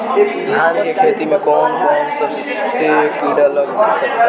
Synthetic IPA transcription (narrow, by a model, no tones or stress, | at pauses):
eːkd̪ʱjaːnkekʰeːt̪imẽkɔːnkɔːnsəb | sekiːɽələɡbesək̚t̪a